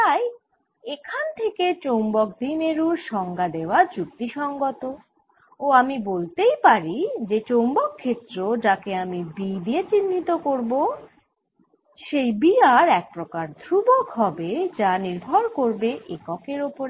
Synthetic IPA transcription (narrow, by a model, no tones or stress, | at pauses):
t̪aj | ekʰant̪ʰeket͡ɕowmbɔk̚d̪ineɾuɾʃɔŋɡad̪eoad͡ʑuk̚t̪iʃɔŋɡot̪o | oamibolt̪ejpaɾid͡ʑet͡ɕowmbɔkʰːet̪ːɾod͡ʑakeamibid̪iet͡ɕinːit̪okoɾbo | ʃejbiaɾɛk̚pɾokaɾd̪ʱɾubokɦɔbed͡ʑaniɾbʱɔɾkoɾbeʔekɔkeɾopoɾe